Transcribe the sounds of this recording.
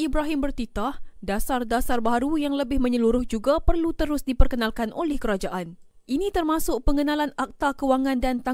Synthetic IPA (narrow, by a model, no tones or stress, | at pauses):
ibɾaɦɪmbərt̪it̪ahdasardasarbaɾujaŋləbɪhmə̃ɲəluɾʊhd͡ʒuɡapərlut̪əɾʊsdipərkənalkanʔolɛhkəɾad͡ʒaʔan | ʔinit̪ərmasʊk̚pəŋənalanak̚t̪akəwaŋãndant̪a